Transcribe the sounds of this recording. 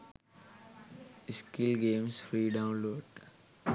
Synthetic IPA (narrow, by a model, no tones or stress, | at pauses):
ɪskɪlɡẽːmsfɾiːɖãʊ̃nloːɖ